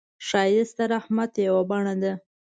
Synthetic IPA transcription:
ʃɑjɪst̪aɾahmat̪jawabɑɳad̪a

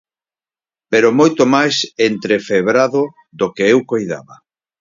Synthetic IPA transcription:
peɾomojt̪omajsent̪ɾefeβɾaðo | ðokeewkojða̰βa

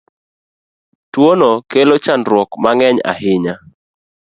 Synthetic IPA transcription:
twonɔkelot͡ʃandɾwɔkmaŋɛɲa̰hɪɲa

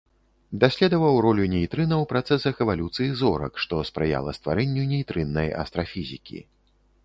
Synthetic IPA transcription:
d̪asʲlʲɛd̪ɐvɐwɾɔlʲunʲejt̪ɾɨnɐwpɾat̪sɛsɐxɛvalʲut̪sɨjizɔɾɐ̰kʂt̪ɔspɾɨja̰lˠɐ̰st̪vaɾɛnʲːunʲejt̪ɾɨnːɐjɐ̰st̪ɾafʲizʲikʲḭ

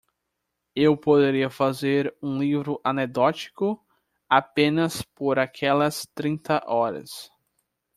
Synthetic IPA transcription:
ewpod̪eɾiɐfazeɾũlivɾʊʔaned̪ɔt͡ʃi̥kʊ | apẽnɐspoɾakʰɛlɐst̪ɾĩnt̪ɐʔɔɾɐ̰s

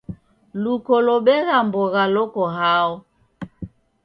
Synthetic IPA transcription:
lukɔlɔɓɛɣambɔɣalɔkɔɦaɔ

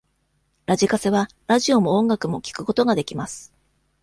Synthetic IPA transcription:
ɾaʑikase̞βa | ɾaʑio̞mo̞õŋɡakɯ̟mo̞kʲi̥kɯ̟ko̞t̪o̞ɡad̪e̞kʲimasɨ̥

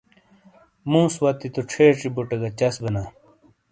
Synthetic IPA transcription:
mũːswɐt̪it̪uʈ͡ʂʰeːʈ͡ʂibuʈɐɡɐt͡ɕɐsbɐnaː

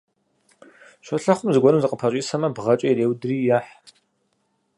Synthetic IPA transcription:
ɕʷɔɬɐχʷʊmzɨɡʷɔnɨmzɨqʼəpʰɐɕʼiːsɐmɐbʁɐt͡ʃʼɐjreːwdɨriːjaːħ

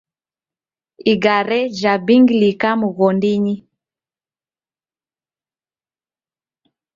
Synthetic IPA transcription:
iɡaɾɛʒabiŋɡlikamuɣɔndiɲi

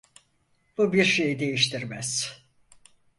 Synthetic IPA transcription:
b̥ubiɾʃe̞jid̪e̞jiʃt̪ʰiɾmæz̥

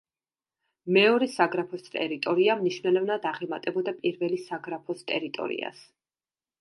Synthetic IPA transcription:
mɛɔɾɛsaɡɾapʰɔst̪ʼɛ̰ɾit̪ʼɔɾiamniʃvnɛlɛvnad̪aʁɛmat̪ʼɛbɔd̪apʼiɾvɛlisaɡɾapʰɔst̪ʼɛɾit̪ʼɔ̰ɾḭa̰s

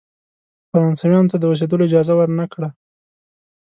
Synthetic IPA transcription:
faɾɑnsamjɑnot̪ad̪əwəs̬ed̪əloɪd͡ʒɑzawaɾnakɽa

